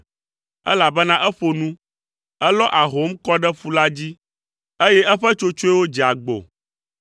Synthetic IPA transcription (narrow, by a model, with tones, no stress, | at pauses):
ɛ̰˦la˨bɛ˦nã˦ʔɛ˦ɸo˨nũ˦ | ɛ˦lɔ˦ʔa˨ɦo˨˦m˦kɔ˦ɖɛ˦ɸu˦la˦d͡ʑi˦ | e˦jɛ˦ɛ˦ɸɛ˦t͡ʃo˦t͡ʃo˦ɛ˦wo˦d͡ʑi˨a˨ɡ͡bo̰˨